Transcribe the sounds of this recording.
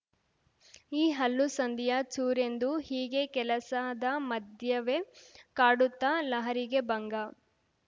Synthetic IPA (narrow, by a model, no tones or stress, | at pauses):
iːɦɐlːusɐnd̪ijat͡ʃuːɾe̞nd̪uhiːɡe̞kɛlɐsaːd̪ɐmɐd̪jɐʋekaːɽut̪ːɐlɐɦɐɾiɡe̞bɐŋɡɐ